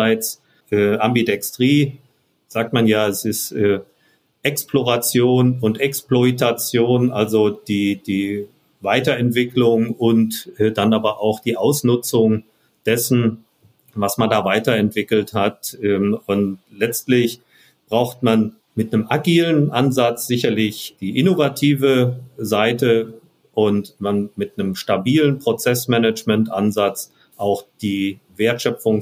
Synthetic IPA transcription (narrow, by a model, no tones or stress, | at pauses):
aɪt͡s | ʔɛːʔambidɛkstʁ̥iː | z̥aːk̚tmanjaːɛsɪstʔɛː | ʔɛksploʁat͡sjoːnʊntɛksploitat͡sjoːnʔalzod̥iːd̥iː | vaɪtɐɛntv̥ɪklʊŋʊntʔɛːdanaːbɐʔaʊxd̥iːʔaʊsnʊt͡sʊŋ | d̥ɛsn̩ | vasmandaːvaɪtɐɛntv̥ɪkl̩thatɛʊntlɛt͡stlɪç | b̥ʁaʊxtman | mɪtnəmaɡiːlənʔanzat͡sz̥ɪçɐlɪçd̥iːʔɪnovatʰiːvəzaɪtə | ʔʊntmanmɪt̚nəmʃtabiːlənpʁ̥ot͡sɛsmɛnət͡ʃmɛntʔanzat͡s | ʔaʊxd̥iː | veːɐtʃœfʊŋ